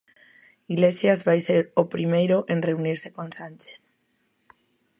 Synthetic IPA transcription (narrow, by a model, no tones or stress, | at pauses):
iɣlesjazβajseɾopɾimejɾoʔenreuniɾsekõnsanʲt͡ʃeθ